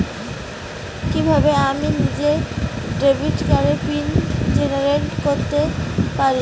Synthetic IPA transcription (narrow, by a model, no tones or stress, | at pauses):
kibʱabeaminid͡ʑeɖebʱiʈkaɾefind͡ʑeneɾeɳʈkoɾt̪epaɾi